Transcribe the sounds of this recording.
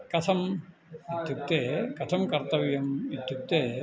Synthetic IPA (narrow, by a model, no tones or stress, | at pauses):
kɐt̪ʰɐm | id̪ʱjuk̚t̪eːkɐt̪ʰɐmkɐɾt̪ɐʋjɐmid̪ʱjuk̚t̪eː